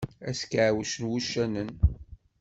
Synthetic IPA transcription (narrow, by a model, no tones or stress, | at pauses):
æskʕwəʃənwuʃːænən